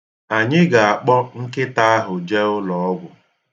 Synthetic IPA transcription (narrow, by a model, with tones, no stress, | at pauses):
a˨ɲɪ˦ɡa˨a˨k͡pɔ˦ŋ̩˦kɪ˦ta˦a˦ɦʊ˨d͡ʒe˦ʊ˦lɔ˨ɔ˦ɡʷʊ˨